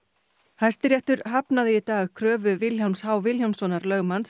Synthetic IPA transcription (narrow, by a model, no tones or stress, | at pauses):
hajst̪ɪɾjɛht̪ʏɾ̥ɦapnaðɪɪt̪aːɣkʰɾœːvʏvɪlçalmshaːwvɪljawmsɔnaɾlœːɣmans